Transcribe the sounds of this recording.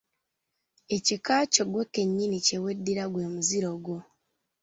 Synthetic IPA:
ecikaːcoɡwoke̞ɲːinice̞we̞dːiɾaɡwe̞ːmuziɾo̞ɡo

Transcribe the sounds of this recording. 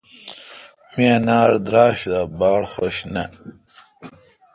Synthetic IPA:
mianaːɾd̪ɾaːɕd̪abɑːɽχoɕnɐ̰

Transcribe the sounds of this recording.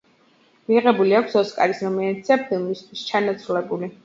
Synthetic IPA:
miʁɛbuliakʷʰsɔskʼa̰ɾisɾɔmɛant̪sapʰilˠmist̪ʰwist͡ʃʰanat̪sʰɾulɛbuli

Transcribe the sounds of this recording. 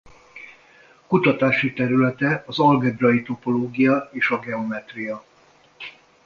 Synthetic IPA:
kut̪ɒt̪aːʃit̪ɛɾylɛt̪ɛɒzɒlɡɛd̪rɒjit̪o̞po̞loːɡijɒeːʃɒɡɛo̞mɛt̪rijɒ

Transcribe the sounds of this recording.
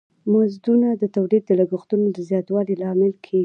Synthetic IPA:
mazd̪unad̪ət̪awɾid̪̚d̪əlaɡʊxt̪unod̪əzjɑt̪wɑlilɑmɪlkʰeɡ

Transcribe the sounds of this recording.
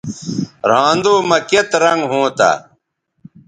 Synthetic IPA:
ɾãːnd̪oːmɐket̪ɾɐŋɡɦõːt̪a̰

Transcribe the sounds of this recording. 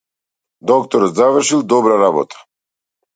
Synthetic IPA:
d̪ɔk̚t̪ɔɾɔt̪zavr̩ʃilˠd̪ɔbɾaɾabɔ̰t̪ʰḁ

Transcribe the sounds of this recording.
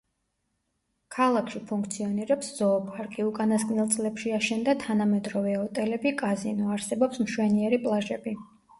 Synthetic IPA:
kʰalˠakʰʃipʰuŋk̚ʰt̪sʰiɔniɾɛpsz̥ɔːpʰʼaɾkʼiukʼanaskʼnilˠt̪sʼlɛpʃiaʃɛnd̪at̪ʰanamɛd̪ɾɔvɛɔt̪ʼɛlɛbikʼazinɔaɾsɛbɔpsmʃwɛniɛɾipʼlˠaʒɛbi

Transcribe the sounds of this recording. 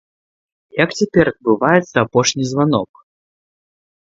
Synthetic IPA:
jɐkt͡sʲapʲɛɾɐd̪̚bɨvajɛt̪sɐapɔʂnʲizʲvanɔk

